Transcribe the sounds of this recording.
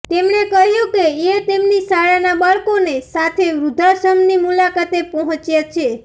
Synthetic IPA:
t̪emnekəɦjũkeẽt̪emnisaɽanabaɭkonesat̪ʰeʋɾud̪ʱasəmnimulakat̪epɔɦɔ̃t͡ʃjat͡ʃʰe

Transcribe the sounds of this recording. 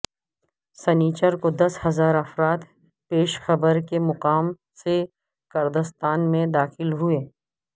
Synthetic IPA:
sɐniːt͡ʃəɾkod̪ɐshɐzaːɾɐfɾaːt̪ | peːʃxɐbəɾkemʊqaːm | se | kɐɾd̪əst̪aːnmẽd̪aːxɪlɦʊeː

